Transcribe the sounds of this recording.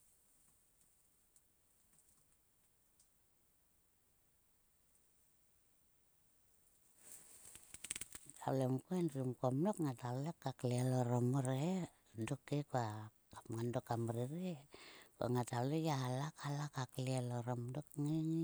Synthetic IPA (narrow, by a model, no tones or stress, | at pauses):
tʰa̰ulemkoenɾumkamlokŋatalekːaklialoɾomoɾe | dokekua | kamŋandokamɾiɾika̰ŋataulejaalakalakaklialoɾomdok̚ŋeŋ